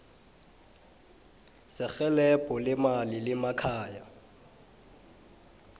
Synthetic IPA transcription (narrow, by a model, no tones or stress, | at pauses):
sɪk͡xɛlɛpʼɔlɪmalɪlɪmakʰaːja